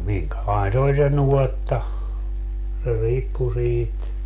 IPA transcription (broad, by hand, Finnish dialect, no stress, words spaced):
miŋkælɑin se olʲ se nuɔtːɑ se riːpːu siːt